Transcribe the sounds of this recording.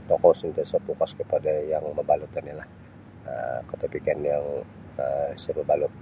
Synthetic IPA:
t̪ɔkɔsint̪əsɔt̪ukaskəpadajaŋməbaluk̪analah | ə̰kət̪apikɛnjaŋ | əsəbəbalʊk̚

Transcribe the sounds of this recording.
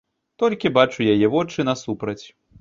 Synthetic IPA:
t̪ɔlʲkʲibat͡ʂujajɛvɔt͡ʂɨnɐsupɾɐt͡sʲ

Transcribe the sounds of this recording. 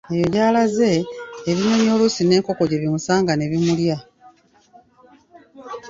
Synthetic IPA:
ejo̞jaːlaze̞ːβiɲoːɲo̞ːlusine̞ːŋko̞ko̞ɟe̞βimusaːŋɡane̞βimulja

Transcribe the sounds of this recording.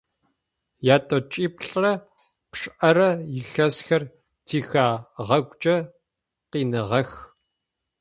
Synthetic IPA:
jaːtʼot͡ʃʼiːpɬʼrɐ | pʂʼʔɐrɐjɪɬɐsxɐr | tʰiːxaːʁɐɡʷt͡ʃʼɐ | qiːnɨʁɐx

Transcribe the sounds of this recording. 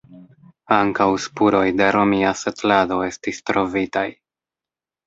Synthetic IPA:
aŋkawspuɾo̞jde̞ɾo̞miasetlado̞e̞stistɾo̞vitaj

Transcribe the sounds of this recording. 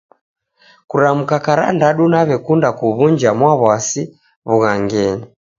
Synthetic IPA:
kuɾamukakaɾa̰ndaɗunaβɛkundakuβund͡ʒamwaβwasi | βuɣaŋɡɛni

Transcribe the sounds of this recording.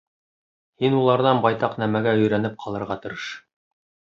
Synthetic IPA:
hinulˠɑɾðɑnbɑjt̪ɑqnæmæɡæɵ̆jɾænɘp̚qʰɑlˠɤ̆ɾʁɑt̪ɤ̆ɾɤʃ

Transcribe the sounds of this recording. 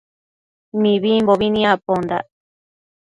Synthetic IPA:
mĩβimboβinĩapond̪a

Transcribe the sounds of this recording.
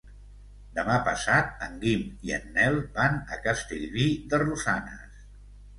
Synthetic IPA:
d̪əmapəsat̪̚əŋɡimiə̰nːɛlˠbanəkəst̪iʎβid̪ərusanə̰s

